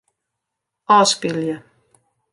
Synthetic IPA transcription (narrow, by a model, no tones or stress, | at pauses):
ɑːskiljæ